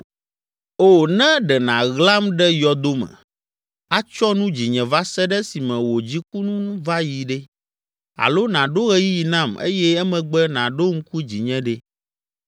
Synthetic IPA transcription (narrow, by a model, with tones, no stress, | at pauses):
o˨nɛ̃˦ɖɛ˨nã˨ɣla˦mɖɛ˦jɔ˨d̪o˦mɛ̰̃˨ | a˦t͡ʃɔ˦nũ˦d͡ʑi˨ɲɛ̃˨va˦sɛ˦ɖɛ˦si˨mɛ̃˨wo˨d͡ʑi˦ku˦nũ˦va˦ji˨ɖɛ˦ | a̰˨lo˦nã˨ɖo˦ɣɛ˦ji˦ji˨nã˦˨mḛ˦jɛ˦ɛ˦mɛ̃˨ɡ͡bɛ˦nã˨ɖo˦ŋ̩˦ku˦d͡ʑi˨ɲɛ̃˦ɖe˦